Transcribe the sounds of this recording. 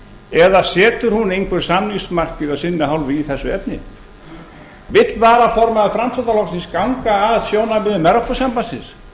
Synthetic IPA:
ɛðasɛːt̪ʏɾ̥hunejŋkʰvɛɾ̥samnismar̥cɪðasɪnːɪɦawlvɪiθɛsːʏɛpnɪ̰ | vɪt̪lvaːɾafɔɾmaaðfɾamsat̪alɔksɪnskawŋkaːðsjoːwnapɪðʏmɛɾɔpɔsampasɪns

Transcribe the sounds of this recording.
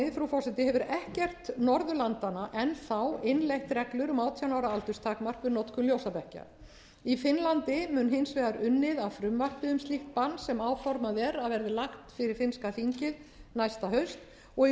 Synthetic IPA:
ɪfɾufɔrsɛt̪ɪhɛvʏɾɛhcɛr̥t̪nɔɾðʏlant̪anaʔɛnθawɪnlejht̪rɛklʏɾʏmaːwt̪ʰjawnaːwɾaalt̪ʏst̪ʰaːkmar̥kvɪðnɔt̪ʰkʏmljowsapɛhca̰ | ifɪnlant̪ɪmʏːnhɪnsvɛːðaɾʏnːɪðavfɾʏmvar̥pɪðʏmst̪liht̪̚panːsɛmaːwfɔɾmaðɛɾaðvɛɾðɪlaht̪fɪɾɪɾ̥fɪnskafiɲcɪðnajst̪aɦœɥst̪ | ɔ

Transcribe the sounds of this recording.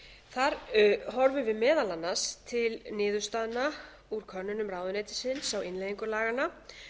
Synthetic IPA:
θaɾɦɔɾvʏvɪðmɛːðalanːast̪ʰɪlnɪːðʏst̪aːðna | uɾ̥kʰœnːʏnʏmraːwðʏnejt̪ɪ̥sɪnsawɪnlejðiŋkʏlaːɣana

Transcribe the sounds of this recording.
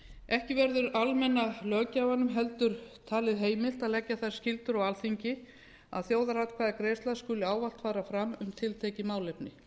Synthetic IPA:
ɛhcɪvɛɾðʏɾalmɛnːalœːcaavhanːʏmɦɛlt̪ʏɾ̥t̪ʰaːlɪðɦeːjmɪl̥t̪aðlɛcːaθaɾ̥scɪlt̪ʏɾaɣalθiɲcɪ | a̰ðθjoːwðaɾat̪kʰvaːðakɾejst̪laðskʏːlɪaːwval̥t̪faːɾafɾamʏmt̪ʰɪlt̪ʰeːjcɪmaːwlejpnɪ

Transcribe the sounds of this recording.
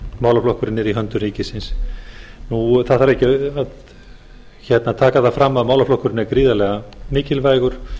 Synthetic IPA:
maːwlaflɔhkʏɾɪnːɛɾiɦœnt̪ʏriːcɪsɪns | nuθaðθaɾɛhcɪað | çɛt̪nat̪ʰaːkaðafɾamːaðmaːwlaflɔhkʏɾɪnːɛɾkɾiːðalɛɣamɪːcɪlvaːjɣʏɾ̥

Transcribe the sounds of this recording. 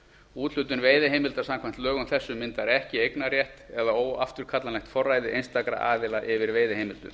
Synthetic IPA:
uːt̪lʏt̪ʏnveːjðɪɦeːjmɪlt̪aɾ̥samkʰvam̥t̪lœːɣʏnθɛsːʏmːɪnt̪aɾɛhcɪejknaɾjɛht̪ɛðaoːwaft̪ʏɾ̥kʰat̪lanlɛxt̪fɔrːaːjðɪʔejnst̪akɾa̰ʔaːðɪlaʔɪvɪɾveːjðɪhɦejmɪlt̪ʏ̰

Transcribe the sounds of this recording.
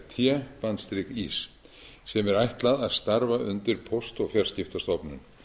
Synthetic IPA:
t̪ʰjɛpant̪st̪ɾɪkḭːs | sɛmɛɾajht̪laðaðst̪aɾvaʔʏnt̪ɪɾ̥pʰɔwst̪ɔɣfjaɾ̥scɪft̪ast̪ɔpnʏ̰n

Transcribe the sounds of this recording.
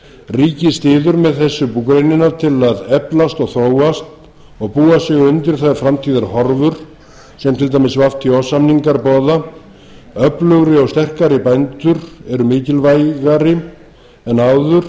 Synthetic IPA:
riːcɪst̪ɪːðʏɾmɛðθɛsːʏpukɾejnɪnat̪ʰɪlaðɛplast̪ɔɣθɾoːwast̪ | ɔɣpuːasɛɣʏʏnt̪ɪɾ̥θaðaɾfɾamt̪ʰiːðaɾhɔɾvʏɾ̥ | sɛmt̪ʰɪlt̪aːmɪsvaft̪ʰiɔsamniŋkaɾpɔːða | œplœɣɾɪɔɣst̪ɛr̥kaɾɪpajnt̪ʏɾɛɾʏmɪːcɪlvajɣaɾɪ | ɛnawðʏɾ̥

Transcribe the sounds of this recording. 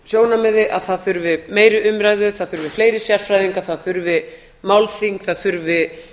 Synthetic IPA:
sjoːwnamɛðɪʔaðθaðθʏɾvɪmeːjɾɪʔʏmɾajðʏθaðθʏɾvɪfleːjɾɪsjar̥fɾajðiŋkaθaðθʏɾvɪ | mawlθiŋkθaðθʏɾvɪ

